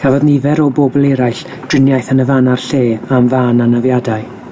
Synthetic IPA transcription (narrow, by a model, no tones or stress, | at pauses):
hɛvɔdnivɛɾɔbobɔlˠɛɾajɬ | d̥rɪnjajθənəvanarɬeːamvaːnanavjadaɨ